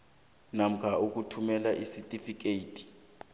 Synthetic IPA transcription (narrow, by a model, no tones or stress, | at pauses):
nam̩kʰauk̬utʰumɛlaʔisitʼifik̬ʼeːtʰʼi̥